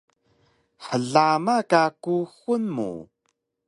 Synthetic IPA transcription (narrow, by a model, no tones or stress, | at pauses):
ħəɮamakakuxunmṵ